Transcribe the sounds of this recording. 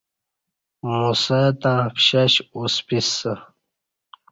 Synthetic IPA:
musat̪ãːpɕaɕuspisə

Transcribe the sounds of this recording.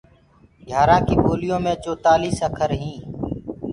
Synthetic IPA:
ɡʱjaːɾãːkiːɓoːlɪjõːmẽːt͡ʃoːt̪aːliːsəkʰəɾɦĩː

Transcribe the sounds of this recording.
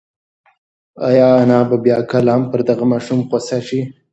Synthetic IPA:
a̰jɑanɑbabjɑkalampəɾd̪aɣamɑʃumqosaʃi

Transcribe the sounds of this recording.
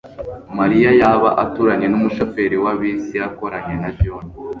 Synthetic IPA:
maɾijajaːβaʔatuɾaɲe̞numuʃo̞fe̞ɾiwaβisijako̞ɾaɲe̞nabjoni

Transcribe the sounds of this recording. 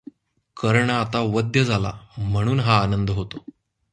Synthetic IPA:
kəɾɳəat̪aʋəd̪jəd͡zʱala̰m̤əɽ̃uːnɦaːnənd̪əɦot̪o

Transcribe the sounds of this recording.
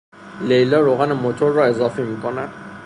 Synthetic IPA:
lejlɒːɾoːɣænemot̪ʰoɾːɒːe̞zɒːfimiːkʰonænd̪̥

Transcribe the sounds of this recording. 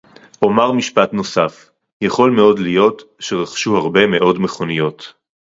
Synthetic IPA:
ʔo̞maʁmiʃpatno̞saf | jaχo̞lme̞o̞dlijo̞tʃeʁaχʃuhaʁbe̞me̞ʔo̞dmeχo̞nijo̞t

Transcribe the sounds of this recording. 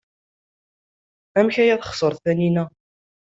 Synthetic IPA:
æmçæjæðχsˤəɾˤθæninæ

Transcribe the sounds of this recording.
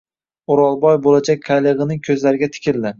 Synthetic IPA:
oɾɒlˠbɒjbolad͡ʒak̚ʲqʰajlˠɨʁɨnɪŋkʲʰɵzlaɾɪɡʲat̪ʰɪ̥kʲɪld̪ɪ

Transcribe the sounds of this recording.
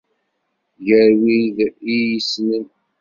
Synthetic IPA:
ʝəɾwiðijisnən

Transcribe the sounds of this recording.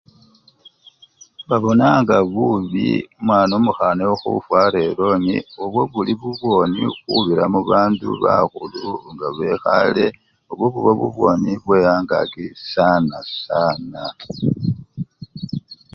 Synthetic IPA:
βaβo̞naŋɡaβuβḭmwaːnomuxanewoxṵfwaːɾelo̞nioβwo̞βuliβuβwo̞ːnixuβiɾamuβaːndṵβa̰xuluŋɡaβe̞xale̞ | oβwoβuβoβṵβwo̞ːniβwe̞jaːŋɡa̰kisanasaːna

